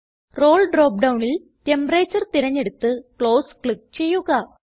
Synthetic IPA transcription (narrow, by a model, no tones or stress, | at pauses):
ro̞ːɭɖro̞ːp̚ɖɐwɳil | tembɐreːt͡ɕːɐrt̪iɾɐɲːe̞ɽut̪ːɨkɭo̞ːskɭik̚t͡ɕe̞jːuɣɐ